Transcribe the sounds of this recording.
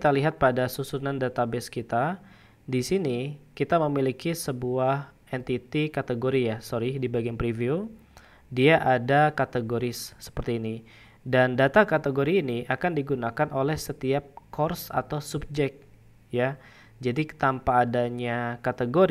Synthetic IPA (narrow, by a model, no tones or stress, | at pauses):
t̪aliɦat̪̚padasusunandat̪abɛskit̪a | disinikit̪aməmilikisəbuah | ɛnt̪it̪ikat̪əɡoɾijasoɾidibaɡianpɾiviu | diaʔadakat̪əɡoɾɪsːə̥pərt̪iːni | dandat̪akat̪əɡoɾiːniakandiɡunakanolɛhsət̪iap̚kɔrsa̰t̪awsub̚d͡ʒɛk̚t̪̚ | ja | d͡ʒadit̪ampaːdaɲakat̪əɡoɾ